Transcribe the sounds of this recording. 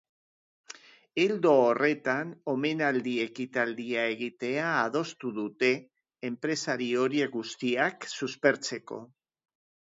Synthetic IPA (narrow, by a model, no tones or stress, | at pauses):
eld̪o̞ːre̞t̪ano̞me̞nald̪ie̞kit̪ald̪iae̞ɣ̞it̪e̞aːð̞o̞st̪uðut̪e̞ː | mpɾe̞saɾio̞ɾiekɡust̪iaksuspe̞ɾt͡se̞ko̞̰